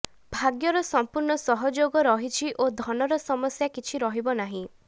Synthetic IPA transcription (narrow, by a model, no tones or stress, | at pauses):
bʱaɡjɔɾɔsɔmpuɾɳɔsɔɦɔd͡ʒoɡɔɾɔɦit͡ʃʰiʔod̪ʱɔnɔɾɔsɔmɔsjakit͡ʃʰiɾɔɦibɔnaɦĩ